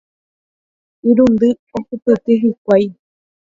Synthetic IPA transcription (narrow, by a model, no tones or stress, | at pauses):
iɾund̪ɨ | okɨpet̪eɦik̚ʷaj